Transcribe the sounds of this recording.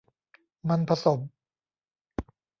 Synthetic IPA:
ma˧npʰa˧so˨˩˦m

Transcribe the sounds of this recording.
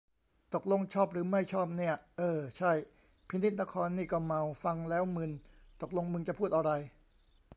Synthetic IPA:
t̪o˨˩k̚lo˧ŋt͡ɕʰɔː˥˩p̚ɾɯː˩˦ma˥˩jt͡ɕʰɔː˥˩p̚ni˥˩ɐʔɤː˧t͡ɕʰa˥˩j | pʰi˧˥nd̪iː˥˩n̚na˦˥kʰɔː˧nːiː˥˩kɔː˥˧˩ma˧wfa˧ŋlɛː˦˥wmɯ˧nt̪o˨˩k̚lo˧ŋmɯ˧ŋt͡ɕa˨˩pʰuː˥˩t̪̚ʔa˧ɾa˧j

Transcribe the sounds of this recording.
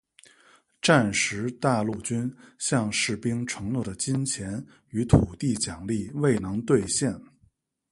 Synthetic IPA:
ʈ͡ʂa˥˩nʂɻ̩˧˥t̪a˥˧lu˥˩t͡ɕy˥nɕjɑ˥˧ŋʂɻ̩˥˩pi˥ŋʈ͡ʂʰɤ˧˥ŋnwɔ˥˩d̪ə˩t͡ɕi˥nt͡ɕʰjɛ˧˥n | y˧˥t̪ʰu˨˩t̪i˥˩t͡ɕjɑ˨˩ŋli˥˩we˥˩ɪnɤ˧˥ŋt̪we˥˧ɪɕjɛ˥˩n

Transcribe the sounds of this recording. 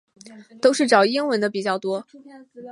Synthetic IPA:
t̪o˥ʊʂɻ̩˥˩ʈ͡ʂɑ˨˩ʊi˥ŋwə˧˥nd̪ə˧p̬i˨˩t͡ɕjɑ˥˩ʊt̪wɔ˥

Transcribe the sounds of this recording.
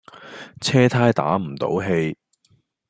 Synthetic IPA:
t͡sʰɛː˥t̪ʰaː˧˥jt̪a̰ː˨˥m̩˨˩t̪o̰˨˥wɦe˧j

